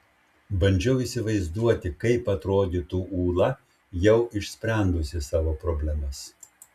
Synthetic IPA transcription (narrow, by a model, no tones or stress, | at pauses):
bɐnʲd͡ʒʲɛʊiːˑsʲɪʋɐɪzd̪uɔt̪ʲɪkɐɪpɐt̪ɾoːd̪ʲit̪uːʔuːlˠɐ | jɛʊʔɪʃʲsʲpʲɾʲænd̪ʊsʲɪsɑːʋoːpɾobʲlʲɛmɐs